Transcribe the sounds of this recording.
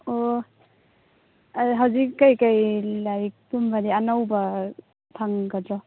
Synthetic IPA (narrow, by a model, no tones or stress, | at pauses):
o | ɦawzikːajkajlaɾik̚tumbadianawba | tʰaŋkadɾɔ